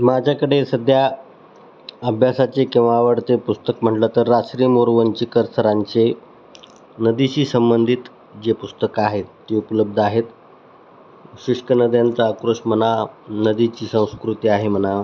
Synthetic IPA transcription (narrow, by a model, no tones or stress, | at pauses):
mad͡ʑakəɽesəd̪ʱja | əbʱjasat͡ɕekĩw̃ʋaʋəɽt͡sepust̪əkm̤əʈlət̪əɾːasɾiːmoɾʋəɲt͡ɕiːkəɾsəɾaɲt͡se | nəd̪it͡ɕiːsəmbənd̪ʱit̪ | d͡ʑepust̪əkaɦet̪ːiupələb̚d̪ʱaɦet̪ | ɕiʂʈənəd̪jant͡səːkɾoɕmənanəd̪it͡ɕiːsə̃w̃skɾut̪iaɦem̤əna